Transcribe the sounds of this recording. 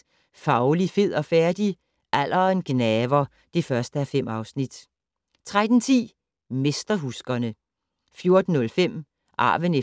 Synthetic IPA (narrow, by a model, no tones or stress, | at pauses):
fɑ̈ʊlife̝ð̰ˠɒ̽fæɐd̥i | ʔæl̰ʔɐenɡ̥nɛːʋɐ | d̥e̝fɶɐsd̥əæfem̰ɑ̈ʊsnid̥ | t͡sʰʁad̥n̩t͡sʰḭː | me̝sd̥ɐɦusɡ̥ɐnə | fjo̝ɐd̥n̩ːɔ̽lfem̰ | ʔɑ̰̈ːʋəne